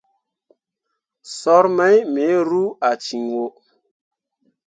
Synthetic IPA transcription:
sɔ˦ɾmɛ˦jme˨˦ɾu˦a˨t͡ʃi˨ŋwo˨

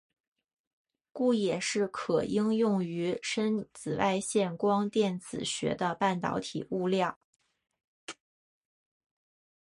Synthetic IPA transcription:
ku˥˩jɛ˨˩ʂɻ̩˥˩kʰɤ˨˩ʔi˥ŋjʊ˥˩ŋy˧˥ʂə˥nt͡sɹ̩˨˩wa˥˧ɪɕjɛ˥˩nkwɑ˥ŋt̪jɛ˥˩nt͡sɹ̩˨˩ɕɥɛ̰˧˥d̪ə˧pa˥˩nt̪ɑ̰˧˥ʊt̪ʰḭ˨˩u˥˧ljɑ˥˩ʊ

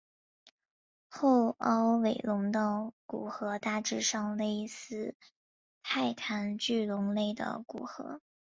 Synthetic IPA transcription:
xo˥˩˧ʊɑ˥ʊwe˨˩ɪlʊ˧˥ŋd̪ə˥˧ku˨˩xɤ˧˥t̪a˥˧ʈ͡ʂɻ̩˥˧ʂɑ˥˧ŋle˥˧ɪsɹ̩˥˧ | t̪ʰa˥˩ɪt̪ʰa˧˥nt͡ɕy˥˩lʊ˧˥ŋle˥˩ɪd̪ə̰˩kṵ˨˩xɤ̰˧˥

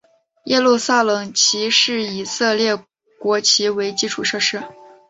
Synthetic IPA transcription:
jʔɛ˥˧lu˥˧sa˥˩lɤ˨˩ŋt͡ɕʰi˧˥ʂɻ̩˥˩i˨˩sɤ˥˧ljɛ˥˩ | kwɔ˧˥t͡ɕʰi˧˥we˧˥ɪt͡ɕi˥ʈ͡ʂʰu˥˩ʂɤ˥˧ʂɻ̩˥˩

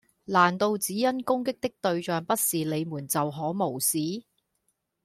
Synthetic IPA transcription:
laː˨˩nt̪o˧wt͡siː˨˥jɐ˥nkʊ˥ŋkɪ˥k̚t̪ɪ˥k̚t̪ɵ˧ɥt͡ʃœː˨ŋpɐ˥t̚siː˨˩le˨˧jmuː˨˩nt͡sɐ˨wɦɔː˨˥mo˨˩wsiː˨˥

